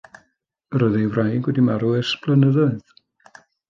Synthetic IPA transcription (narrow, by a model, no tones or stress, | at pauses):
rɔðiwrajɡwɛdimaɾuɪrsb̥lˠənəðɔɨð̥